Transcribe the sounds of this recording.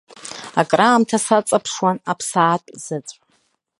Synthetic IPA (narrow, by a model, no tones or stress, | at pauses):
akʼraːmtʰasat͡sʼapʰʂwanapʰsaːtʼz̥ɨt͡sʷʼ